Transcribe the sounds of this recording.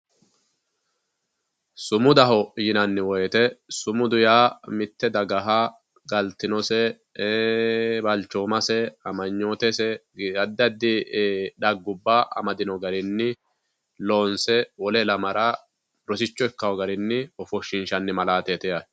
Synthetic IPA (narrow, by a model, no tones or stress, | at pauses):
sʊmʊd̪ɐɦɔjɪnɐnːɪwɔjɛt̪ɛsʊmʊd̪ʊjaːmɪt̪ːɛd̪ɐɡɐɦɐ | ɡɐlt̪ːɪnɔsɛ | bɐlt͡ʃːoːmɐsɛɐmɐɲːoːt̪ɛsɛɐd̪ːɐd̪ːɪᶑɐɡːʊbːaʔɐ̰mɐd̪ɪnɔɡɐɾɪnːɪ | loːnsɛwɔlɛlɐmɐɾa | ɾɔsɪt͡ʃːɔɛkːɐwɔɡɐɾɪnːɪɔfɔʃːɪnʃɐnːɪmɐlaːt̪ɛt̪ɛjɐ